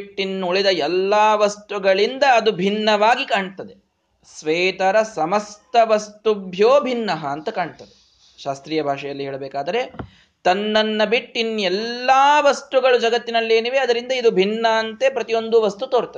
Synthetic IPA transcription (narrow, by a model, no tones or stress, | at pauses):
ʈːinːuuɭid̪ɐɛlːaːʋɐst̪uɡɐɭind̪ɐːd̪ubʱinːɐʋaːɡikaːɳt̪ɐd̪e | sʋɛːt̪ɐɾɐsɐmɐst̪ɐʋɐst̪ubʱjoːbʱinːɐɦɐːnt̪ɐkaːɳt̪ɐd̪e | ʃaːst̪ɾiːjɐbʱaːʂɛjɐlːiɦeːɭɐbɛːkaːd̪ɐɾe̞ | t̪ɐnːɐnːɐbiʈːinɛlːaːʋɐst̪uɡɐɭud͡ʒɐɡɐt̪ːinɐlːeːniʋeɐd̪ɐɾind̪ɐid̪ubʱinːɐːnt̪e̞pɾɐt̪ijo̞nd̪uʋɐst̪ut̪oːɾt̪ɐd̪